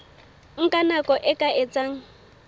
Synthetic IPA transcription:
ŋ̩kʼanakʼɔʔɪkʼaʔɪt͡sʼaŋ̩

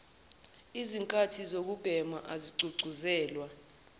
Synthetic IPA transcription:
iziŋkʼatʰizok̬ub̥ʱɛma̰ʔaziǀʱuǀʱuzɛːlwa

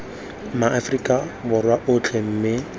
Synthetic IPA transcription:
maʔafrikʼabʊrwaʔʊt͡ɬʰem̩ːmɪ

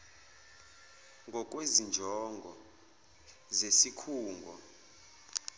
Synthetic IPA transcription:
ŋɡʱɔk̬ʼwezind͡ʒʱɔŋɡʱɔ | zesikʰuːŋɡʱɔ

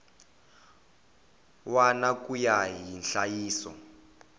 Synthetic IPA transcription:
wanakujaɦinɬajiːsɔ̰

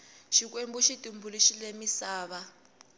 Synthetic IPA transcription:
ʃik̬wembuʃitʼumbuliʃilemisaːβa

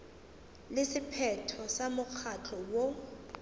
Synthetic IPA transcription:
lesipʰɛtʰɔsamʊk͡xʰat͡ɬʰɔwɔ

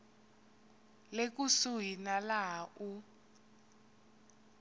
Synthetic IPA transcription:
lek̬usuɦinalaɦaʔu

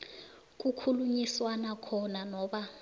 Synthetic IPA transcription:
k̬ʼukʰuluɲiswanakʰɔnanɔːɓa

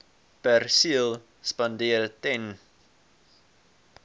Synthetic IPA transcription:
pærsiəlˠ | spɐndiərtɛn

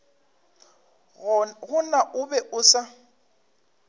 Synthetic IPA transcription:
ɣʊnaʔʊbɛʔʊsa

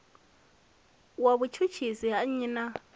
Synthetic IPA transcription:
waβut͡ʃʰut͡ʃʰisiɦaɲina

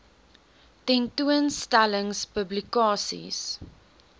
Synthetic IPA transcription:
tɛ̃ntuənstaləŋspəblikɑːsḭs

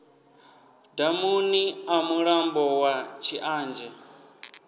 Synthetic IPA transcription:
damuniamuɺambɔwat͡ʃʰiʔaːnd͡ʒɛ

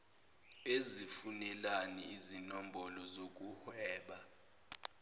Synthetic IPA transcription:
ezifunɛlaniizinɔm̩bɔlɔzok̬ʼuhwɛːɓa

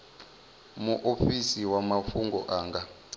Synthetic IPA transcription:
muʔofisiwamafuŋɡɔʔaːŋɡa

